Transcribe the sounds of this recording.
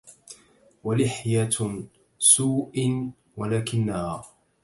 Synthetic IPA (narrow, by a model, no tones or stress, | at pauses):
walɪħja | suːʔ | walaːkɪnːahaː